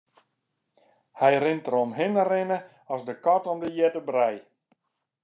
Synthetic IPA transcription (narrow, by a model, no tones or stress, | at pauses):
hɛjrɪntərɾomɦɪnərɪnə | ɔsdəkɔtɔmdəjɛtəbrɛj